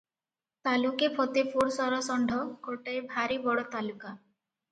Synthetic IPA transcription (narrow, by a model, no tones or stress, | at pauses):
t̪alukepʰɔt̪epʰoɾsɔɾɔsɔɳɖʱɔkoʈeebʱaɾibɔɽɔt̪aluka